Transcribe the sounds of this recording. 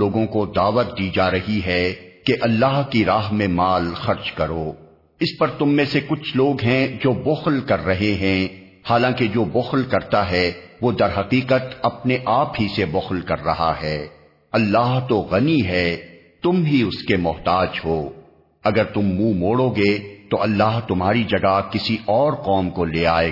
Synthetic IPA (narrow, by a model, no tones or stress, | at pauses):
oːɡõkod̪aːʋət̪̚d̪iːd͡ʒaːɾɐɦiɦɛkeʔɐlːaːɦkiɾaːɦmẽmaːlxɐɾt͡ʃkɐɾoː | ɪspɐɾt̪ʊmːẽsekʊt͡ʃʰloːɡɦɛ̃d͡ʒoːbʊxlkɐɾːɐɦeɦɛ̃ | haːlãːked͡ʒoːbʊxlkɐɾt̪aɦɛʋod̪ɐɾɦɐqiːqət̪ɐpneʔaːpɦisebʊxlkɐɾːɐɦa̰ɦɛː | ɐlːaːɦt̪oɣɐniɦɛː | t̪ʊmɦiʊskemɔɦt̪aːd͡ʒɦoː | ɐɡəɾt̪ʊmːũːmoːɽoɡet̪oʔɐlːaːɦt̪ʊmɦaːɾid͡ʒɐɡakɪsiʔɔːɾqɔːmkoleːaːeː